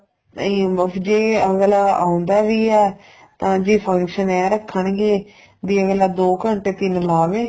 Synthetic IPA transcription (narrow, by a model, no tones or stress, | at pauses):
ĩəd͡ʒeːəɡlaːaːʊ̃nd̪aːʋiːɛː | t̪ãːd͡ʒiːpʰə̃ŋkʃənɛːɾəkʰːəɳɡeː | d̪iːəɡlaːd̪oːkəɳʈeːt̪ɪnlaːʋeː